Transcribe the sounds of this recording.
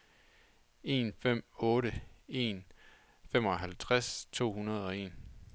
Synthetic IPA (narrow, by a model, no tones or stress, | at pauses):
e̝nfem̰ɔ̽ːɾəe̝n | femɒ̽ɦælt͡sʰʁast͡sʰo̝̰ːhunɐð̞ˠɒ̽e̝̰ːn